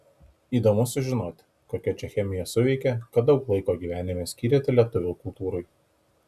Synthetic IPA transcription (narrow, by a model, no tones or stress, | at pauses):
iːd̪oːmʊsʲʊʒʲɪnoːt̪ʲɪ̥ | koːkʲɛt͡ʃʲɛxʲɛmʲɪjɛsʊʋʲɛɪkʲɛkɐt̪̚d̪ɒʊklˠɐɪkoːɡʲiːʋʲæːnʲɪmʲesʲkʲiːɾʲeːt̪ʲɪlʲiɛt̪ʊʋʲuːkʊlˠt̪uːɾoɪ